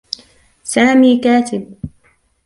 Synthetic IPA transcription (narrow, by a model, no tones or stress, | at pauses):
saːmiːkaːt̪ɪb̚